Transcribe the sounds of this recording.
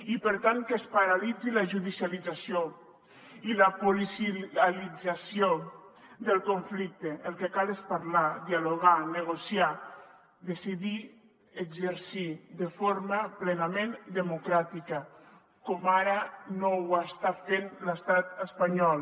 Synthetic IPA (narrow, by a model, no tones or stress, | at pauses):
ipəɾt̪aŋkespaɾalid͡zilaʒuðisjalid͡zasjo | iləpolisalid͡zasio | d̪əlˠkoɱflik̚t̪eəlˠkekalespaɾlad̪ialoɣ̞anəɣ̞osia | d̪esiði | əɡzəɾsiðəfoɾməplenamẽnd̪əmukɾat̪ikə | kɔmaɾənowast̪afenləst̪at̪əspaɲɔlˠ